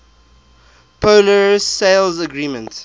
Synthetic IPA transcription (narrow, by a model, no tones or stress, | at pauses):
pʰoləɹsseɪlzəɡɹiːmə̃nt